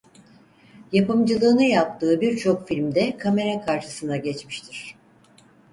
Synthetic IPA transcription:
japɯmd͡ʒɯlˠɯːnɯjap̚t̪ʰɯːbiɾt͡ʃʰo̞kfilʲmd̪ɛkʰame̞ɾɛkʰaɾʃɯsɯnd̪aɟɛt͡ʃmiʃt̪ʰiɾ̥

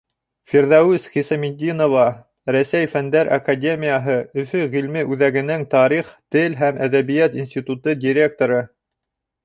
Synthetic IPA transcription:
fʲiɾðɑwʉsχisɑmʲid̪ʲinovɑ | ɾæsæjfænd̪æɾʔɐ̰kadʲemʲijaɦɤɵ̆θɵʁilmɘʔʉðæɡɘ̆nɘŋt̪ɑɾiχt̪ɘlɦæmʔæðæβijæt̪insʲt̪ʲit̪ut̪ɤdʲiɾʲe̞k̚t̪oɾɤ

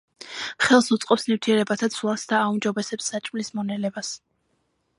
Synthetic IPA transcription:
χɛlˠsut̪sʼqʼɔpsnift̪ʰiɛɾɛbat̪ʰat̪sʰlˠasd̪aːumd͡ʒɔbɛsɛpsːat͡ʃʼmlismɔnɛlɛbas

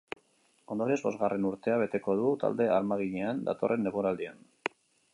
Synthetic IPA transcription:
o̞nd̪o̞ɾiezbo̞zɣarʔe̞nuɾt̪e̞aβ̞e̞t̪e̞ko̞ð̞ut̪a̰ld̪e̞aɾmaɣ̞iɲe̞and̪a̰t̪o̞̰rʔe̞nːeɣuɾald̪ian

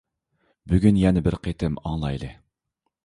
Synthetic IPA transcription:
byɡʲynjɛnɪbɪɾqʰet̪ʰɪmɑŋlˠɑjlˠɨ

